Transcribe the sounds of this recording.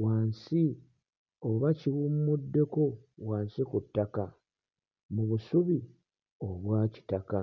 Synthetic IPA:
waːnsi | oβaciɣumːudːe̞ko̞waːnsikutːaka | muβusuβi | o̞βwaːci̥taka

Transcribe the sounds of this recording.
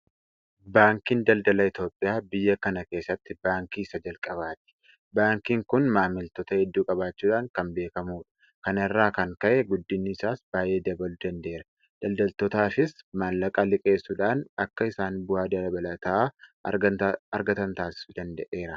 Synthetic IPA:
baːŋkiːnd̪ɐld̪ɐlɐɪt̪o̞ːpʼːɪjaːbɪjːɐkɐnɐke̞ːsːɐt̪ːɪbaːŋkiːsɐd͡ʒɐlkʼɐβaːt̪ɪ̥ | baːŋkiːŋkʊnmaːmɪlt̪ɔt̪ɐhɛd̪ːuːkʼɐbaːt͡ʃːuːᶑaːŋkɐmbe̞ːkɐmuːᶑɐ̥ | kɐnɪrːaːkɐŋkɐʔɛɡʊd̪ːɪnːɪːsaːsbaːje̞ːd̪ɐbɐlʊd̪ɐnd̪e̞ːɾɐ | d̪̥ɐld̪ɐlt̪ɔt̪aːfɪsmɐnlɐkʼɐlɪkʼe̞ːsːuːᶑaːnɐkːɐɪsaːnbʊhaːd̪ɐlɐbɐlɐt̪ɐʔa | ɐɾɡɐt̪ɐnt̪aːsɪ̥sʊd̪ɐnd̪ɐʔe̞ːɾɐ

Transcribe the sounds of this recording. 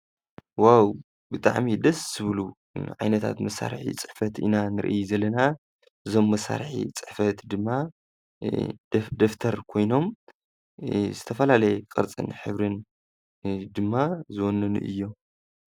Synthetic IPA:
waw | bɨt̪ʼa̰ʕmid̪ɐszɨβɨlu | ʕa̰jnɐt̪ʰa̰t̪mɐsːa̰ɾħḭt͡sʼɨ̥ħfɐt̪ḭnanɨɾʔijzɐlːɐna | ʔɨzo̞mːɐsːa̰ɾħḭt͡sʼɨ̥ħfɐt̪d̪ɨmːa | d̪oft̪ʰɐɾkʰo̞jno̞m | zɨt̪ʰɐfɐlalɐjɛkʼɐɾt͡sʼɨ̰nħɨβɾɨn | d̪ɨmːazɨwonːɐnṵʔɨ̰jːo

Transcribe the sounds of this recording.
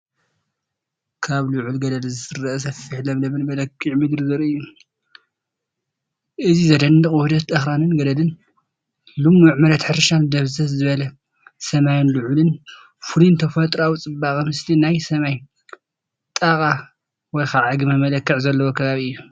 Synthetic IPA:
kʰaβluʕulɡɐd̪ɐlzɨɾɐʔɐs̬ɐfːiħlɐmlɐmɨnmɐlɐkʰʼːiʕmɨd̪ɾzɨɾɨjːu | ʔɨzizɐd̪ɐnːɨkʼwɔhd̪ɐt̪ʼɐxɾanɨnɡɐd̪ɐlɨn | lumːuʕmɐd̪ɐt̪ħɨɾʃand̪ɐβzɐt̪zɨβɐlɐ | sɐmajnlʊʕulɨn | fulint̪ʰɐfɐt̪ʼɾawut͡sʼɨbaxʼɐmɨslinajsɐmaj | t̪ʼakʼa | wɔjxaʕaɡɨmɐmɐlɐkːɨʕzɐlːɐwokʰɐβaβiɨjːu

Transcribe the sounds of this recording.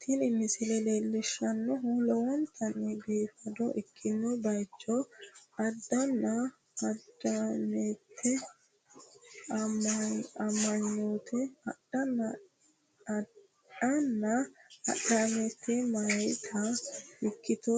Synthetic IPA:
t̪ʰɪlɪmɪsɪlɛleːlːɪʃːɐnːɔɦʊlɔwɔnt̪ʰɐnːɛbeːfɐd̪ɔʔɪkʰːɪnːɔbɐjt͡ʃːɔɐd̪ːɐnːɐ | ɐd̪ɐmet̪ʰːɛ | ɐmːɐɲːoːt̪ʰɛɗɐnː | ɐnːɐɐ̰ɗamet̪ʰːɛmɐjt̪ʰɐɪkːɪt̪ɔ

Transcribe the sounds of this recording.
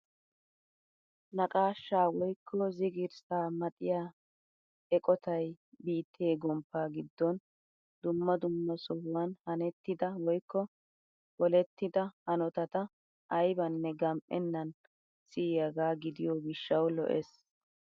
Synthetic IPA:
nɐkʼaːʃːaːwɔjkʰːɔzɪɡɪɾsaːmɐt̪ʼɪja | ɛkʼɔt̪ʰɐj | biːt̪ʰːeːɡɔmpːaːɡɪd̪ːɔn | d̪ʊmːɐd̪ʊmːɐsɔhʊwɐnhɐnɛt̪ːɪd̪ɐwɔjkːɔ | bɔlɛt̪ːɪd̪ɐhɐnɔt̪ɐt̪ɐ | ɐjbɐnːɛɡɐmpʼːɛnːɐn | siːjɐɡaːɡɪd̪ɪjɔɡɪʃːɐwlɔ̰ʔɛ̰s

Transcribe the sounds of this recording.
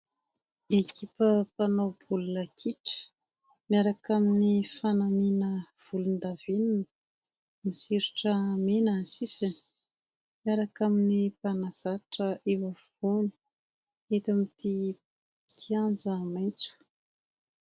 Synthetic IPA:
ekʰipəpanob̥ulunəkʰiʈ͡ʂə̥ | miaɾakaminifanaminəv̥ulund̪avininə | misiɾuʈ͡ʂəmenəsisan | miaɾakaminipanaz̥aʈ͡ʂəʔewa | oni̥ | et̪amit̪i | kʰiand͡zəmajnt͡su̥

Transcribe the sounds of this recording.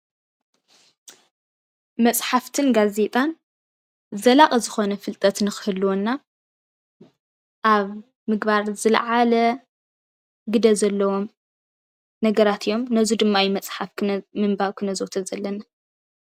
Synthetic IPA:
mɐt͡sʼħaft̪ʰɨnɡaze̞t̪ʼan | zɐlaχʼɐzɨxo̞nɐfɨlt̪ʼɐt̪nɨxɨ̥hɨlːwonːa | ʔaβ | mɨɡbaɾzɨl̰ʕalɐ | ɡɨd̪ɐzɐlːɐwo̞m | nɐɡɐɾat̪ʰijo̞mnɐzud̪ɨmːajimɐt͡sʼħafmɨmbaβkʰɨnɐzwt̪ʰɐzɐlːɐna

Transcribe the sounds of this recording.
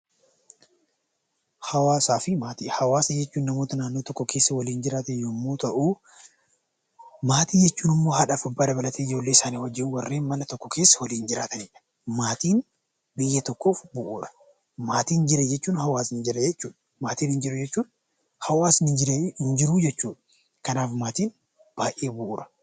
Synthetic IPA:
hɐwaːsaːfɪmaːt̪ihɐwaːsɐd͡ʒɛt͡ʃːuːnːɐmoːt̪ɐnaːnːo̞ːt̪ɔkːɔkʰe̞ːsːɐwɐliːnd͡ʒɪɾaːt̪ɛjomːoːt̪ɐʔuː | maːt̪iːd͡ʒɛt͡ʃːuːnɪmːo̞ːɦɐᶑɐfʊbːaːd̪ɐbɐlɐt̪eːɪd͡ʒo̞ːlːeːɪsaːniːwɐd͡ʒːɪuwɐrːe̞ːnmɐnɐt̪ɔkːɔke̞ːsːɐ̥wɐliːnd͡ʒɪɾaːt̪ɐneːᶑɐ̥ | maːt̪iːn | bɪjːɐt̪ɔkːo̞ːfbʊʔuːɾɐ̥ | maːt̪iːnd͡ʒɪɾɛd͡ʒɛt͡ʃːuːnhɐwaːsɪnd͡ʒɪɾɛd͡ʒɛt͡ʃːuːᶑɐ | maːt̪iːnhɪnd͡ʒɪɾʊd͡ʒɛt͡ʃːuːn | hɐwaːsɪd͡ʒɪɾhɪnd͡ʒɪɾuːd͡ʒɛt͡ʃːuːᶑɐ̥ | kɐnaːfmaːt̪iːn | b̥aːʔeːbʊʔuːɾɐ̥

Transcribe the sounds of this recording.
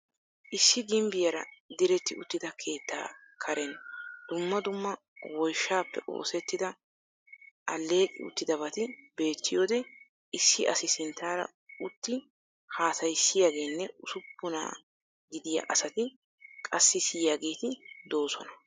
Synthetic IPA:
ʔɪsːɪɡɪmbɪjɐɾɐ̰d̪ɪɾɛt̪ːɪʊ̰t̪ːɪd̪ɐkʰe̞ːt̪ːa̰ː | kʰɐɾɛnːd̪̥ʊmːɐd̪ʊmːɐ | wɔjʃːaːpːɛ̰ʔo̰ːsɛt̪ːɪd̪ɐ | ʔɐlːe̞ːkʼɪ̰ʊ̰t̪ːɪd̪ɐbɐt̪ɪbe̞ːt̪ʰːɪjo̞ːd̪ɛ | ɪsːɪʔɐsɪsɪnt̪ːaːɾɐ̰ | ʊt̪ːɪ | haːsɐjsːɪjaːɡe̞ːnːɛʊsʊpːʊna̰ː | ɡɪd̪ɪja̰ʔɐsɐt̪ɪ | kʼɐsːɪsɪjaːɡeːt̪ɪd̪o̞ːsɔnɐ

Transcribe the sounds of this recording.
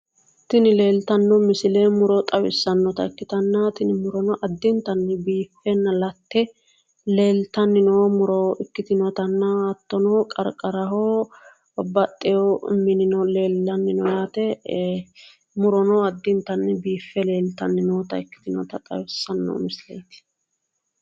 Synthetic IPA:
t̪ɪnɪle̞ːlt̪ɐnːɔmɪsɪlemʊɾɔt̪ʼɐwɪsːɐnːɔt̪ɐɪkːɪt̪ɐnːɐt̪ɪnɪmʊɾɔnɔʔɐd̪ːɪnt̪ɐnːɛbiːfːɛnːɐlɐt̪ːɛ | le̞ːlt̪ɐnːɪnoːmʊɾɔʔɪkːɪt̪ɪnɔt̪ɐnːɐɐt̪ːɔnɔkʼɐɾkʼɐɾɐɦoː | bɐt̪ʼːɛjɔmɪnɪnɔleːlːɐnːɪnɔjaːt̪ɛ | mʊɾɔnɔɐd̪ːɪnt̪ɐnːɛbiːfːɛle̞ːlt̪ɐnːɪnoːt̪ɐɪkːɪ̥t̪ɪnɔ̰t̪ɐt̪ʼɐ̰wɪsːɐnːɔ̰mɪsɪlɛ̰jt̪ɪ̥

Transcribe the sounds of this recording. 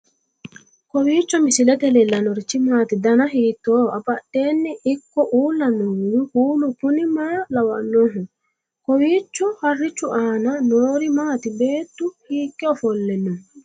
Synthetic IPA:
kɔwiːt͡ʃːɔmɪsɪlɛt̪ɛlɛlɐnɔɾɪt͡ʃːɪmaːt̪ɪd̪ɐnɐɦiːt̪ːoːɐpɐɗːeːnːɛʔɪkːɔʔuːlːɐnoːjʊhuːlʊpʊnɪmaːlɐwɐʔnːoːɦʊ | kɔwiːt͡ʃːɔhɐrːɪt͡ʃːʊʔaːnɐnoːɾɪmaːt̪ɪbe̞ːt̪ːʊhiːkːɛɔfɔlːɛnːɔ

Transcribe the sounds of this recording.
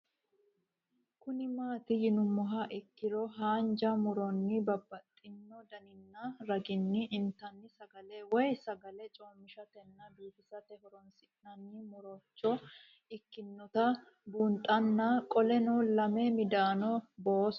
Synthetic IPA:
kʊnɪmaːt̪ɪjɪnʊmːɔɦɐʔɪkːɪɾɔɦaːnd͡ʒɐmʊɾɔnːɪbɐbːɐt̪ʼːɪnːɔd̪ɐnɪnːɐɾɐɡɪnːɪʔːnt̪ːɐnːɪsɐɡɐlɛwɔjsɐɡɐlɛt͡ʃʼoːmːɪʃɐt̪ɛnːɐbiːt̪ɪsɐt̪ɛhɔɾɔnsɪnɐnːɪmʊɾɔt͡ʃːɔ | ɪkːɪnːɔt̪ɐ | bʊnt̪ʼɐnːɐkʼɔlɛnɔlɐmɛmɪd̪aːnɔboːs

